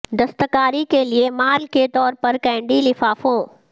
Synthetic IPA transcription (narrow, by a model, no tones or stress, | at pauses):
d̪ɐst̪əkaːɾikeliemaːlket̪ɔːɾpɐɾkɛ̃ːɳɖilɪfaːfõː